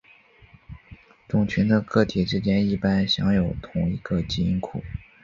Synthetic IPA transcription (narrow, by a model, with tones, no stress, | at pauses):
t̪ʊ˨˩ŋt͡ɕʰy˧˥nd̪ə˧kɤ˥˩t̪ʰi˨˩ʈ͡ʂɻ̩˥t͡ɕjɛ˥ni˥˩pa˥nɕjɑ˧˥ŋjo˨˧˩ʊt̪ʰʊ˨˩ŋi˧˥ɡə˧t͡ɕi˥˩i˧˥nkʰṵ˨˩˦